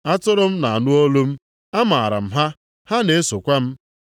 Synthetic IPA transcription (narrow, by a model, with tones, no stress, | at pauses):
a˦tʊ˦ɾʊ˦m̩˦na˨a˨nʊ˦o˦lo˦m̩˦ | a˦ma˨a˨ɾa̰˨m̩˦ɦa˦ | ha˦ne˨e˦so˨kʷa˦m̩˦